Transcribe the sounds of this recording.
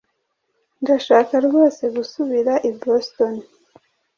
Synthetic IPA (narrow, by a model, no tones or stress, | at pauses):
ndaʃaːkaɾɡo̞ːse̞ɡusuβiɾaʔibosto̞n